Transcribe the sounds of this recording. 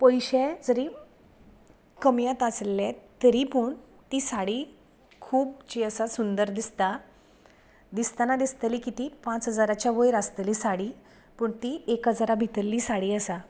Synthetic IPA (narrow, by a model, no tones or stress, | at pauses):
pəjɕɛd͡zəɾiː | kəmjãt̪əslːɛt̪əɾipəːɳ | t̪iːsaɽiː | kʰuːb̚t͡ɕiəsasund̪əɾd̪ist̪a | d̪ist̪anad̪ist̪əliːkit̪iːpãt͡sɦəd͡zaɾat͡ɕjaʋəjɾəst̪əliːsaɽiː | pəɳt̪iːekɦəd͡zaɾabʱit̪əlːiːsaɽiːəsa